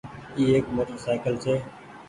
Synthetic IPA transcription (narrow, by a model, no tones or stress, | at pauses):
iːeːkmoːʈəɾsaːɪkəlseː